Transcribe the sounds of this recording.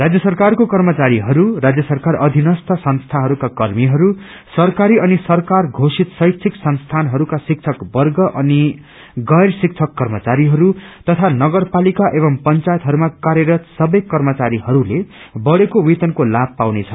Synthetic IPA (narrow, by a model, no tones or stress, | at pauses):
rad͡zjʌsʌrkarkokʌrmʌt͡saɾiɦʌɾuɾad͡zjʌsʌrkarʌd̪ʱinʌst̪ʰʌsʌnst̪ʰaɦʌɾukakʌrmiɦʌɾu | sʌrkaɾiʌnisʌrkarɡʱosit̪sʌjt̪sʰiksʌnst̪ʰanɦʌɾukasik̚t͡sʰʌkbʌrɡʌʔʌni | ɡʌjrsik̚t͡sʰʌkːʌrmʌt͡saɾiɦʌɾut̪ʌt̪ʰanʌɡʌrpalikaʔeβʌmpʌnt͡sajet̪ɦʌɾumakaɾjeɾʌt̪sʌbʌjkʌrmʌt͡saɾiɦʌɾulebʌɽekowit̪ʌnkolab̚pawnet͡sʰʌ